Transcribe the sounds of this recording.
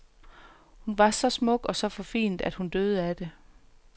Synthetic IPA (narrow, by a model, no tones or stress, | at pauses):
hunʋɑ̈sɒ̽smɔ̽ɡ̥ɒ̽sɒ̽fɒ̽fḭːnd̥æd̥hund̥øːð̞ˠəæd̥e̝